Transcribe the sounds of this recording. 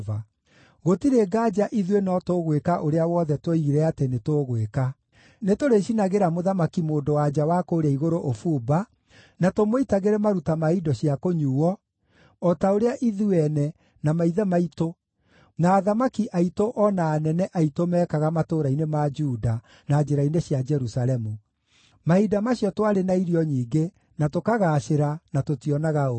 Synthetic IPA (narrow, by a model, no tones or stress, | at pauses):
va | ɣotiɾeɡad͡ʑaʔiðwenɔtoɣwekaʔoɾeawɔðɛtweiiɾɛatenetoɣweka | netoɾeɕinaɣeɾamoðamakimoːndowad͡ʒawakoːɾɛaiɣoɾoʔofuːba | natomoitaɣeɾɛmaɾutamaidɔɕiakoɲuːwɔː | taoɾeaʔiðuɛnɛ | namaiðɛmaito | naːðamakiʔaitoʔɔnaːnɛnɛʔaitomɛːkaɣamatoɾainemad͡ʒuda | naːd͡ʒeɾaineɕjad͡ʒɛɾusaɾɛmu | maidamaɕijɔtwaɾenaiɾiɔɲiːɡe | natokaɣaːɕeɾanatotiɔnaɣao